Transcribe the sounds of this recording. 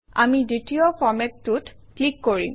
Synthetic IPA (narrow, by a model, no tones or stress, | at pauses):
a̰miditiɔpʰɔɹmɛtːutklikːoɹḭm